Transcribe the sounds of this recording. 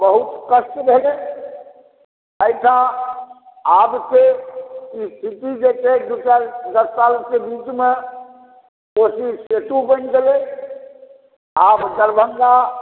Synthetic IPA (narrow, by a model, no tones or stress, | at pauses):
bəɦut̪kəsʈbʱele | əjʈʰã | abse | ist̪ʰit̪id͡ʒetʰed͡ʒukaɾd̪əssalkebit͡ʃme | kosiset̪ubənɡ̪ele | abdəɾbʱəŋɡa